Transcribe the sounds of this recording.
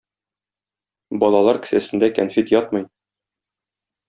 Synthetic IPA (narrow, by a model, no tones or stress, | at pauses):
bɒlˠɑlˠɑɾkɘ̥̆sæsɘ̆nd̪ækænfit̪jɒt̪mɤ̆j